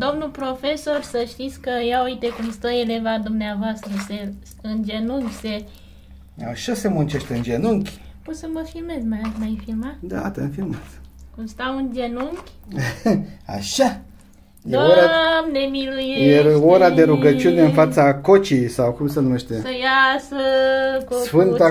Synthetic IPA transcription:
d̪o̞mnupɾo̞fe̞so̞rsəʃt̪it̪sʲkəjaujt̪ekumst̪əele̞vad̪umneavoast̪ɾəse | ɨnd͡ʒe̞nuŋkʲse | aʃase̞munt͡ʃeʃt̪ɨnd͡ʒenuŋkʲpot̪səməfilme̞zmamajfilmad̪a̰t̪enfilmaskumst̪aund͡ʒenuŋkʲ | a̰ʃa | jeoɾamnemilujjeoɾad̪e̞ɾuɡət͡ʃiuneɨnfat̪sakot͡ʃijsawkumsenumeʃt̪esəjasəkosfɨnt̪

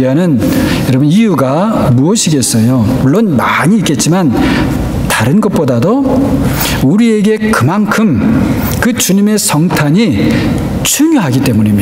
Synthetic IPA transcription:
iɦanɯn | jʌɾʌbɯnijuɡa | muʌɕʰiɡe̞s͈ʌjomuɭːonmaɲiːk͈e̞t̚t͡ɕ͈iman | taɾɯnɡʌt̚p͈odado | uɾie̞ɡe̞kɯmankʰɯm | kɯt͡ɕuɲime̞sʰʌŋtʰaɲi | t͡ɕʰuɲjoɦaɡit͈e̞muɲima

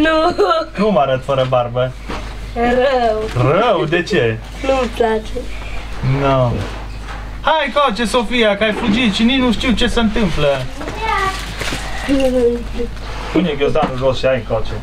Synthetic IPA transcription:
nunumaɾət̪fəɾəbarbə | ɾəwɾrəwd̪et͡ʃe | numəplat͡ʃe | no | hajkot͡ʃesofijakəajflud͡ʒit̪ʃininuʃt̪iwt͡ʃe̞sənt̪ɨmplə | puneɡozd̪anuʒosʃiajkot͡ʃe

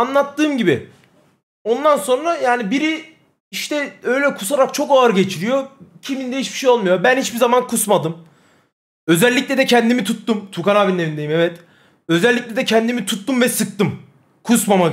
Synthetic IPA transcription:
anlˠat̪ːɯːmɟibi | o̞nd̪anso̞nɾajaːnibiɾi | iʃt̪ɛø̞jlʲɛkʰu̥s̬aɾak̚t͡ʃʰo̞kaaɾɟe̞t͡ʃʰiɾijo̞cʰimind̪ɛit͡ʃbi̥ʃejo̞lˠmujobænhit͡ʃbizamankʰusmad̪ɯm | ø̞zɛlʲːicʲlʲɛd̪ɛcʰɛnd̪imit̪ʰut̪ːumt̪ʰukanaːbinnevind̪e̞jimɛvɛt̪ | ø̞zɛlʲːic̚lʲɛd̪ɛcʰɛnd̪imit̪ʰut̪ːumvɛsɯk̚t̪ɯm | kʰusmama

